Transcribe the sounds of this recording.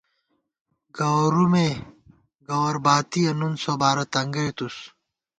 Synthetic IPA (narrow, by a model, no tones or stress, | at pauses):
ɡɐwɐɾume | ɡɐwɐɾbaːt̪ijɐnunsobaːɾɐt̪ɐŋɡɐjt̪us